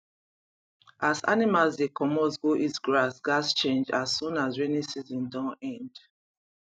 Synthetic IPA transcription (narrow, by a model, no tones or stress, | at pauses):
asa̰nimalsdekɔmɔsɡoʔitɡɹasɡast͡ʃẽnd͡ʒasːũnasɹɛnisizɔ̃ndãnɛ̃nd